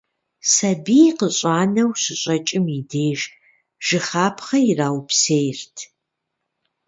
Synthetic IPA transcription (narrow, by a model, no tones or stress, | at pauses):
sɐbiqəɕʼaːnɐwsɨɕʼɐt͡ʃʼɪmideːʒ | ʒ̥ɨχaːpʰχɐjiraːwpsejrtʰ